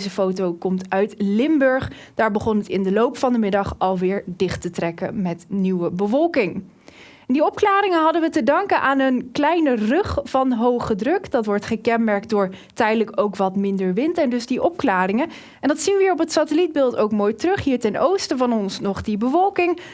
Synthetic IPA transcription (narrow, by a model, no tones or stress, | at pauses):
zəfowtowkɔmtœɥtlɪmbɵɹχd̥aːɹbəχɔnətɪndəlowpfɑndəmɪdɑχɑlˠʋɪːɹdɪχtətrɛkə̰mɛtniwəbəvɔlˠkɪŋ | ndiɔp̚klaːɾɪŋəɦɑdənʋətədɑŋkənʔaːnənklɛjnərɵχfɑnɦowχədrɵkd̥ɑtʋɔɹtχəkɛnmɛɹk̚dʊːɹ | tɛjdələkowkʋɑtmɪndəɹʋɪntɛndɵzdiʔɔp̚klaːrɪŋə | ɛndɑtsinʋəiːɹɔpətsaːtəlid̚bɪːlˠtowkmoːjtrɵχɦiːɹtɛnowstəvɑnɔnsnɔχdibəvɔlˠkɪŋ